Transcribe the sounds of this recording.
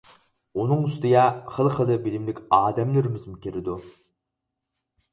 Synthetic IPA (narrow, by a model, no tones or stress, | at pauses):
unɨŋyst̪ɪjʲɛχəlˠχəlˠɨbɪlɪmlɪkʲɑːd̪ɛmlɪɾɪmɪzmʊkʲʰeɾɪd̪u